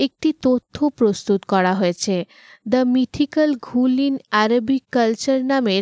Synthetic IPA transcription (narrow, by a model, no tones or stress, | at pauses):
ek̚ʈit̪ot̪ʰːopɾost̪ut̪kɔɽaɦoet͡ɕʰe | d̪əmiʈʰikəlɡʱulinaɾobikːəlt͡ɕəɾnameɾ